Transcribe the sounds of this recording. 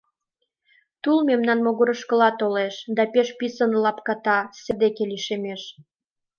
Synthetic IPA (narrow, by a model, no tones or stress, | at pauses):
t̪ulmemnɑnmoɣoɾəʃkə̆lɑt̪oleʃd̪ɑpeʃpisənlɑpkɑt̪ɑsed̪ekeliʃemeʃ